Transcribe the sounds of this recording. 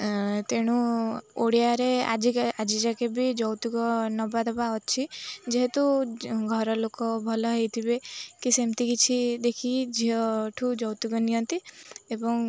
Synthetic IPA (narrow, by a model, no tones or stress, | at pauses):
t̪eɽ̃uoɽijaɾea̰d͡ʒiad͡ʒid͡ʒakebid͡ʒɔwt̪uɡɔnɔbad̪ɔpaɦɔt͡ʃʰid͡ʒeɦet̪uɡʱɔɾɔlokɔbʱɔlɔɦejt̪ʰibekisemt̪ikit͡ʃʰid̪ekʰid͡ʒiɔʈʰud͡ʒɔwt̪iɡɔnijɔnt̪iebɔŋ